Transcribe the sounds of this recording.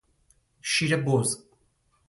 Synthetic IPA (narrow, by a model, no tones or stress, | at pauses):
ʃiɾɐboz